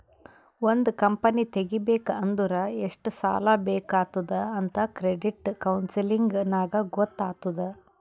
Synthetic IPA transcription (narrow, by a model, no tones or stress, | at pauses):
ond̪ukɐmpɐnit̪eɡibeːkɐɐnd̪uɾɐeʂʈusa̰ːlabeːkaːt̪ud̪ɐɐnt̪ɐkɾeɖiʈkɐwnsiliŋɡnaːɡɐɡɔt̪ːaːt̪ud̪ɐ